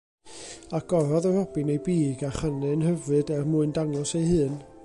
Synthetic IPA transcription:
aɡ̥ɔɾɔðərɔb̥ɪnejbiːɡaχanɛnhəvɨdɛrmʊɨndaŋɔsejhɨːn

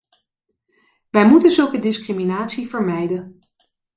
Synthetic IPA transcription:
ʋɛjmutənzɵlˠkədɪskriminaːtsivəɹmɛjdə

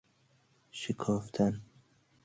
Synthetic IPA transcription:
ʃekʰɒːft̪ʰan

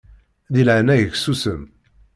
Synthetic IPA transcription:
ðilʕnæjəçsusəm

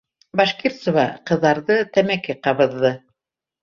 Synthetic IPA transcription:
bɑʃkert̪sŏvɑqɤ̆ðːɑɾðɤt̪æmækɘqɑβɤ̆ðːɤ

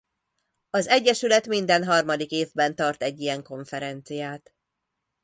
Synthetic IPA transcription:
ɒzɛɟːɛʃylɛt̪mind̪ɛnɦɒrmɒd̪ikeːvbɛnt̪ɒrt̪ɛɟːijɛŋko̞ɱfɛɾɛnt̪sijaːt̪

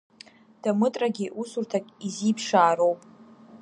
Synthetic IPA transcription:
d̥amɨtʼraɡʲiʔusurtʰakʼizipʰʂaːɾo̞wpʼ

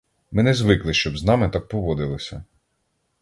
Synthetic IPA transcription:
mɪnɛzʋɪklˠɪʃt͡ʃɔbznɑmɪt̪ɑk̚pɔʋɔd̪ɪlˠɔsʲɐ

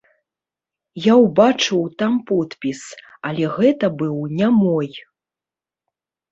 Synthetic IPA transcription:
jawbat͡ʂɨwt̪ampɔt̪pʲis | ɐlʲɛɣɛt̪ɐbɨwnʲamɔj

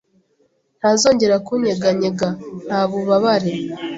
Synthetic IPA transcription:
n̥hazo̞ːɲɟe̞ɾakuɲeɡaɲeɡan̥haːβuβaβaɾe

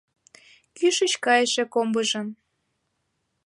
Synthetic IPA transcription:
kyʃə̆t͡ɕkɑjəʃĕkombəʒɤ̆m

